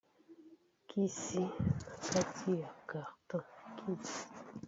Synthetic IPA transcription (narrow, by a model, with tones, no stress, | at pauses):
kʰi˦si˦˨ka˦ti˦a˨ka˨tɔ˦kʰi˦˨ti˨